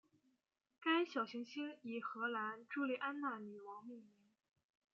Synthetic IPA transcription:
ka˥ɪɕjɑ˨˩ʊɕi˧˥ŋɕi˥ni˨˩xɤ˧˥la˧˥nʈ͡ʂu˥˧li˥˧ʔa˥nna˥˩ni˨˩wɑ˧˥ŋmi˥˩mi˧˥˧n

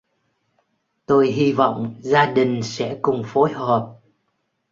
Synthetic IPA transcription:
t̪o˧jɦi˧vɔ̰˧˨wŋ͡mzaː˧ɗï˨˩ŋ̟sɛ̰˧˥kʊ˨˩ŋ͡mfo˨˦jɦə˨˩p̚

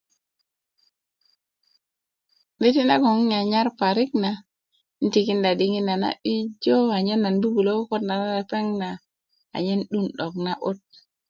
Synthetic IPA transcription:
ni˦ti˦na˦ko˨ŋi˦ɲa˨ɲa˦ɾpa˨ɾi˦k̚na˨˦ | n̩˦ti˨ki˦nda˨di˦ŋi˦nːa˨na̰˦bi˦d͡ʒo˦a˨ɲe˦nːa˨nbu˦ɡu˨lo˦ko˦tna˨na˦a˨ta˦ŋna˨ | a̰˨ɲe˦nɗu˦nɗo˨k̚na˦ʔo˦t̚

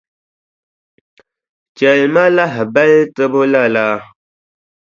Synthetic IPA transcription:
t͡ʃɛ˨lma˦la˦ɦba˦ltɨ˦bo˦la˦la˦

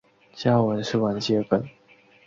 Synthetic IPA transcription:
t͡ɕja˥˩wə˧˦nʂɻ̩˥˩wa˧˥nt͡ɕjɛ˥fə˨˩n

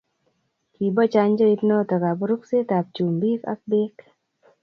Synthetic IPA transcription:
ki˨bɔ˦t͡ʃa˧nd͡ʒə˦i˦tnɔ˦tɔ˨ka˨pɔ˦ɾu˦kse˦ta˨p̚t͡ʃu˨mbi˦ka̰˦k̚beː˦k

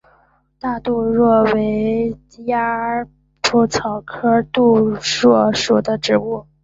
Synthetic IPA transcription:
t̪a˥˧t̪u˥˧ɻwɔ˥˩we˧˥ɪɪ˧ | ja˥ | ʈ͡ʂʰu˥˩t͡sʰɑ˨˩ʊkʰɤ˥t̪u˥˩˧ɻwɔ˥˩ʂu˨˩d̪ə˦ʈ͡ʂɻ̩˨˩u˥˩

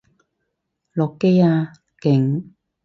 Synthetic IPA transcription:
lɔː˨kːe˥jaː˧ | kɪ˨˩ŋ

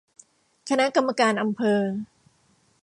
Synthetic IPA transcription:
kʰa˧na˦˥ʔka˧mːa˧kaː˧nʔa˧mpʰɤː˧

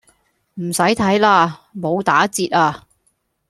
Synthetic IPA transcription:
m̩˨˩sɐ˨˥jt̪ʰɐ˨˥jlaː˧mo˨˧wt̪aː˨˥t͡siː˧t̚aː˧

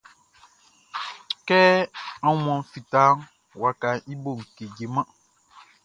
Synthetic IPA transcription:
kɛ˦a˦mɔ̃˨fi˨ta˦ŋ | wa˨ka˨i˦bo˦˨ŋ̩˨ke˨d͡ʒe˨mã˦

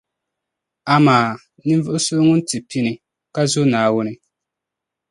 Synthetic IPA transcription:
a˨maː˨ | nɨ˦ɱ˦vʊ˦ʔʊ˦sʊ˦ŋʊ˦n˦tɨ˨pi˦nɪ˨ | ka˦zʊ˦naː˨wʊ˦nɨ˦

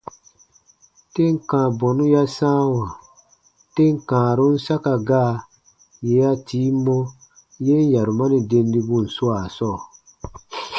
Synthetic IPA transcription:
te˦ŋ˨kã˨bɔ˨nu˦ja˦sãː˦wa˨ | te˦ŋ˨kãː˨ɾu˦n̩˦sa˦ka˨ɡaː˦˨ | je˨˦ja˦tiː˨˦mːo˦ | je˦n˦ja˨ɾu˨ma˦ni˨de˦n˦di˦bu˦˨n̩˨su˦a˨sɔ˦˨

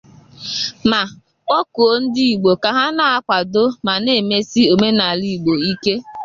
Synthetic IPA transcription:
ma˨ | ɔ˦ko˨˦n̩˦di˦i˨ɡ͡bo˨ka˨ɦa˦na˨a˦kʷa˨do˦ma˨ne˦˨me˦si˦o˨me˦na˨li˦˨ɡ͡bo˨i˦ke˦

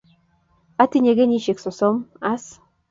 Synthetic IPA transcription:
a˦ti˦ɲe˨ɡe˦ɲi˦ʃe˨kso˨so˦ma˦s

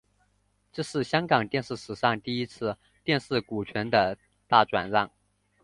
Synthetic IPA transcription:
ʈ͡ʂɤ˥˧ʂɻ̩˥˩ɕjɑ˥ŋkɑ˨˩ŋt̪jɛ˥˧nʂɻ̩˥˩ʂɻ̩˨˩ʂɑ˥˧ŋt̪i˥˩i˥t͡sʰɹ̩˥˧ | t̪jɛ˥˧nʂɻ̩˥˩ku˨˩t͡ɕʰɥɛ˧˥nd̪ə˧ | t̪a˥˩ʈ͡ʂwa̰˨˩nlɑ˥˩ŋ

